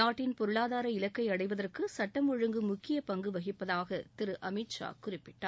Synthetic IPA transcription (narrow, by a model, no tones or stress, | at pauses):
aːʈːɪnpɔɾɯɭaːðaːɾɐɪlɐkːɐɪɐɽɐɪʋɐðɐrkɯsɐʈːɐmʊɻɯŋɡɯmʊkːɪjɐpɐŋɡɯʋɐɣɪpːɐðaːɣɐt̪ɪɾɯʔɐmɪʈʂa̰ːkʊrɪpːɪʈːa̰ː